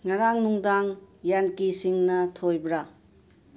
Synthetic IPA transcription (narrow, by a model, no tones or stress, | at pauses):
ŋaɾaŋnuŋdaŋjankisiŋnɐtʰojbɾa